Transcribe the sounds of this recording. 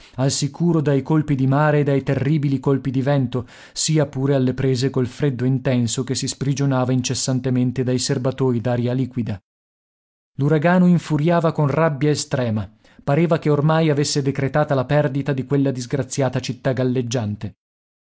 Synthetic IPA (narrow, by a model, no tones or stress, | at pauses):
alsikʰuːɾod̪ajkolpid̪imaːɾeːd̪ːajt̪erːiːbilikolpid̪ivɛnt̪o | siːapuːɾealːepɾeːzekolfɾed̪ːoint̪ɛnsokesːispɾid͡ʒonaːvaint͡ʃesːant̪ement̪ed̪ajserbat̪oːɾid̪aːɾjaliːkwid̪a | luɾaɡaːnoiɱfuɾjaːvakonrabːjaest̪ɾɛːma | paɾeːvakeormajavesːed̪ekɾet̪aːt̪alapɛrd̪it̪ad̪ikwelːad̪izɡɾat̪sːjaːt̪at͡ʃit̪ːaɡalːed͡ʒːant̪e